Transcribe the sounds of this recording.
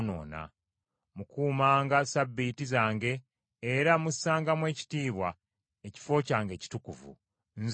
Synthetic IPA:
no̰ːna̰ | mukuːmaːŋɡasabːitizaːŋɡe̞ː | ɾamusːaːŋɡamwe̞ːci̥tiːβwa | eci̥fo̞caːŋɡe̞ːci̥tukuvṵ | nz

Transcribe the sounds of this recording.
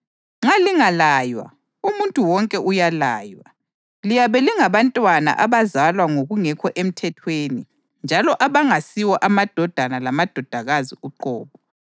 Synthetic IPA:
ŋ͡ǁaliŋalaːjwa̰ | umuntʼuwɔŋkʼɛʔujala̰ːjwa̰ | lijaβɛliŋaβantʼwana̰ʔaβazalwaŋoɣuŋɛkʰɔʔem̩tʰɛtʰweːni | nd͡ʒʱalɔʔaβaŋasiwɔʔamad̥ʱɔd̥ʱanalamad̥ʱɔd̥ʱaɣaziuǃɔ̰ːβɔ

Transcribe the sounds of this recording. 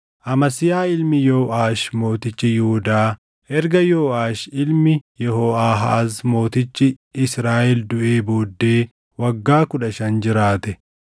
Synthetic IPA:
ʔɐmɐsɪjaːɪlmɪjoːʔaːʃmo̞ːt̪ɪt͡ʃːɪjʊʊd̪aː | ʔɛɾɡɐjoːʔaːʃɪlmɪjɛɦoːʔaːɦɐ̰ʔɐsmo̞ːt̪ɪt͡ʃːɪ | ɪsɾaːʔɛld̪ʊʔe̞ːbo̞ːd̪ːeː | wɐɡːaːkʊᶑɐʃɐnd͡ʒɪɾaːt̪ɛ

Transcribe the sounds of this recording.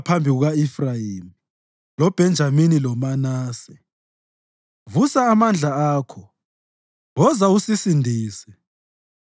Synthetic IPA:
pʰambʱiɣuɣaifrajimi | lɔb̥ʱɛnd͡ʒʱaminilɔmanaːsɛ | vusaːmand͡ɮʱaaːkʰɔ | wɔzausisindʱiːsɛ

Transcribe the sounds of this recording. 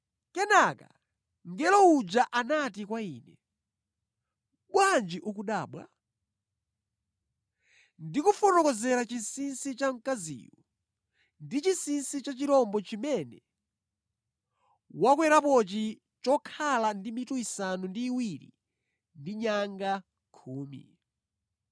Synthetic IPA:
kɛnaka̰ | ŋɡɛlɔud͡ʒaʔanat̬ikwaiːnɛ | ɓwand͡ʒiʔuk̬uɗaːɓwa̰ | ndikufɔɾɔkɔzɛɾat͡ʃinsinsit͡ʃaŋ̩kazḭːjɔ | ndit͡ʃinsinsit͡ʃat͡ʃiɾɔmbɔt͡ʃimɛnɛ | wakwɛɾapɔt͡ʃi | t͡ʃɔkʰalandimituisanundiːwiɾḭ | ndiɲaŋɡa | kʰuːmḭ

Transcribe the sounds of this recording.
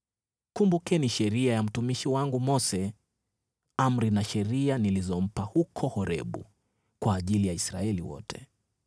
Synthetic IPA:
kumbukɛniʃɛɾiajam̩tumiʃiwaŋɡumɔsɛ | am̩ɾinaʃɛɾianilizɔm̩pahukʰɔhɔɾɛ̰ɓṵ | kwaːʄilijaisɾa̰ɛlḭwɔ̰tʰɛ̥

